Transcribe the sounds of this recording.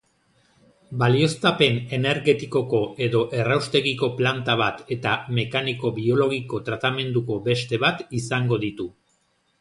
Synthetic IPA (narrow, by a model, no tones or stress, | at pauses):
balio̞st̪ape̞ne̞ne̞ɾɣe̞t̪iko̞ko̞ʔe̞ðo̞ʔe̞rawst̪e̞ɣiko̞plant̪aβat̪e̞t̪ame̞kaniko̞βio̞lo̞ɣ̞iko̞t̪ɾat̪ame̞nd̪uko̞be̞st̪e̞β̞at̪isaŋɡo̞ðit̪u